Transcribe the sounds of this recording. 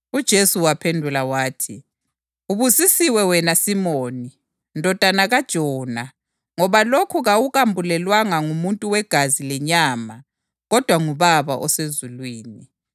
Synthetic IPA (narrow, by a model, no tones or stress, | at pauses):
ud̥ʒ̥ʱesuwapʰendʱulawaːtʰi | uβusisiwɛwɛnasimoːni | ndʱɔd̥ʱanaɣad̥ʒ̥ʱɔːna | ŋɔβalokʰuɣawuɣambʱulɛlwaŋaŋumuntʼuwɛɡ̥ʱazilɛɲaːma | ɣɔd̥ʱwaŋuβaβa̰ʔɔsezulwiːni